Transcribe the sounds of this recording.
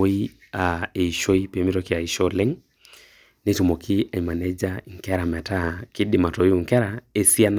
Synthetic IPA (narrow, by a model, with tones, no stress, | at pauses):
i˦ | ae˨i˨ʃo˦i˦pe˨mi˦tɔ˦kɪ˨a˨i˨ʃɔ˦lɛ˦ŋ | ne˦t͡ʃɔ˨mɔ˨kʰi˦ʔa˨i˨ma˨nɛ˦d͡ʒa˦ŋ̩˨kɛ˦ɾa˨mɛ˨ta˦˨ki˦dɪ˨ma˨tɔ˨ju˨ŋ̩˨kɛ˦ɾa˨e˨si˦a˦n